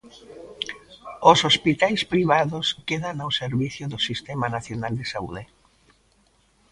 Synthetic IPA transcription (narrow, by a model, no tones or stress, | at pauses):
ʊsospit̪ajspɾiβaðʊskeðanawseɾβiθjʊðʊsist̪ɛmanaθjonald̪esaṵð̞e